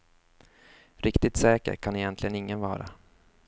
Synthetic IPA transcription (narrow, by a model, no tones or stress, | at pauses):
ɾʔɪkt̪ɪt̪sɛːkə̰ɾkʰanɛjɛnt̪lɪɡənɪŋːənvɑ̰ːɾa̰